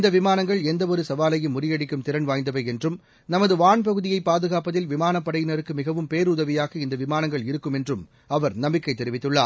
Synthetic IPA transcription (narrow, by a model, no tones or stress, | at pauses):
ɪnd̪ɐʋɪmaːnɐŋɡɐɭɛnd̪ɐɔɾɯsɐʋaːlɐjɯmʊrɪjɐɽɪkːɯmt̪ɪɾɐnʋaːjnd̪ɐʋɐɛndrɯm | nɐmɐðɯʋaːɳp̬ɐɣɯðɪjɐɪpːaːðɯɣaːpɐðɪlʋɪmaːnɐpːɐɽɐjɪnɐɾɯkːɯmɪɣɐʋɯmpeːɾʊðɐʋɪjaːɣɐɪnd̪ɐʋɪmaːnɐŋɡɐɭɪɾɯkːɯmɛndrɯm | ɐʋɐɾnɐmbɪkːɐɪt̪ːɛɾɪʋɪt̪ːɯɭːaːɾ